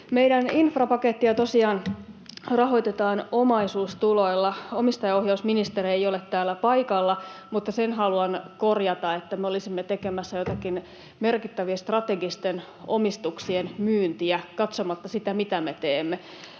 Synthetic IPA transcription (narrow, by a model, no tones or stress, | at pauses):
meidæninfrɑpɑket̪ːiɑt̪osiɑːn | rɑɦo̞it̪et̪ɑːnomɑisuːst̪uloilːɑomist̪ɑjɑohjɑusminist̪eriejolet̪t̪ːæːlːæpɑikɑlːɑmut̪ːɑsenɦɑluɑnkorjɑt̪ɑet̪ːæmeolisimːet̪ekemæsːæjot̪ɑkin | merkit̪ːæʋiest̪rɑt̪eɡist̪en | o̰mist̪uksienmyːnt̪iækɑt̪somɑt̪ːɑsit̪æmit̪æmet̪eːmːe